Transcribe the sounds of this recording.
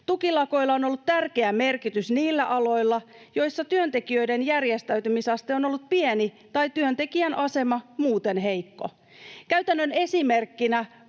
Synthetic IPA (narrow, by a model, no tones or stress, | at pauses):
t̪ukilɑko̞ilːɑono̞lːut̪t̪ærke̞æme̞rkit̪ysniːlːæʔɑlo̞jlːɑjo̞jsːɑt̪yønt̪e̞kiø̞jde̞njærjest̪æyt̪ymisɑst̪eo̞no̞lːut̪̚pieni | t̪ɑjt̪yønt̪e̞kiænʔɑse̞mɑmuːt̪e̞nɦe̞ijkːo̞̰ | kæɥt̪ænːøne̞sime̞rkːinæ